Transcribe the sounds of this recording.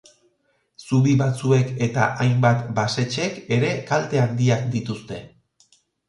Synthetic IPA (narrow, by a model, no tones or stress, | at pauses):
suβiβat͡sue̞ke̞t̪a̰ʔajmbat̪base̞t͡ʃe̞ke̞ɾe̞kalt̪e̞and̪iakd̪it̪ust̪e̞